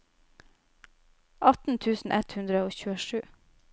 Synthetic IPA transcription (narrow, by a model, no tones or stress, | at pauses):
ʔɑt̪n̩t̪ʰʉːsn̩ʔɛt̪hʉnd̪ɾəoːçʉːəʃʉː